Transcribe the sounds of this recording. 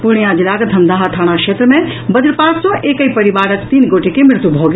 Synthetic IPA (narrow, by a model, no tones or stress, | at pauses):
puɾɳ̃ijãd͡ʒilaɡd̪ʱɐnd̪aɦat̪ʰəɽ̃akʃet̪ɾəmẽbəd̪ɾpaːksɔ̃ʔeːkəipəɾiʋaːɾək̚t̪iːnɡoːʈekemɪɾt̪ubʱoɡ